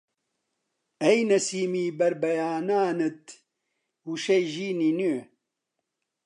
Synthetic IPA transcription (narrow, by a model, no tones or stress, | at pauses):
ɐjnɐsiːmiːbɐɾbɐjaːnaːnɨt̪ | wuʃɐjʒiːniny